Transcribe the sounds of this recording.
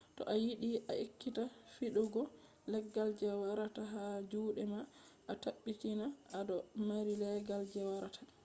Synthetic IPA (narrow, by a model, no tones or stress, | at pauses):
tɔ̰ʔajiɗiʔaʔikːitafiɗuɡɔ | lɛɡːald͡ʒɛwaɾataɦad͡ʒuːɗɛmaʔataɓːitinaʔadɔmaɾilɛɡald͡ʒɛwaɾatʰḁ